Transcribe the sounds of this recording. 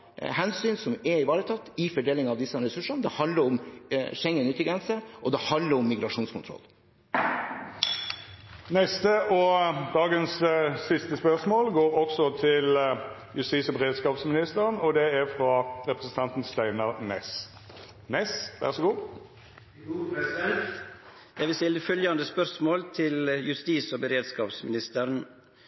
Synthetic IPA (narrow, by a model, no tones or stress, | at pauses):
hɛnsyːnsɔmɛɾɪʋɑːɾət̪ʰɑt̪ːɪfɔɖeːlɪŋɑʋd̪ɪsːəɾɛsʉʂənd̪ɛhɑnd̪ləɾɔmʃɛŋːənʉːt̪ːɪɡɾɛnsəʔɔd̪ɛhɑnd̪ləɾɔmːɪɡɾɑʂuːnskʊnt̪ʰɾɔ̰lː | nɛst̪əʔɔd̪ɑːɡənsːɪst̪əspœʁsmoːlɡoːʁɔksɔt̪ʰɪl | jʉst̪iːsɔbəʁeːd̪skɑːpsmɪnɪst̪əʁnɔd̪ɛæʁfʁɑʁɛpʁəsən̩t̪ʰɑnt̪nst̪æɪnɑʁnɛs | nɛsʋæ̰ʁsɔɡuː | j̪æʋɪst̪ɪld̪əfœljɑnd̪əspœɾsmoːlt̪ʰɪljʉst̪iːsoːbəɾeːd̪skɑːpsmɪnɪst̪əɾn